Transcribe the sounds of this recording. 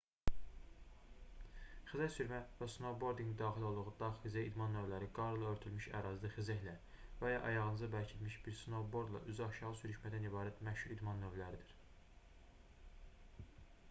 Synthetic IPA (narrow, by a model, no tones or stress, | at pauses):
χizæçsyɾmævæsnobo̞ɾd̪iŋɡ̪d̪ɑːχilʲo̞lˠd̪uʁud̪ɑxizæid̪mɑnːøvlæɾiɡɑɾɯlˠɯøɾt̪ʰylmiʃæ̰ɾɑzd̪ɯxizæçlæ | væjɑʔɑjɑʁnɯzɑbæɾcʰit̪miʃbiɾsnobo̞ɾd̪lˠɑ̰ʔyzɑʃɑʁɯsyɾyʃmæd̪ænibɑːɾæt̪mæʃhuɾid̪mɑnːøvlæɾid̪iɾ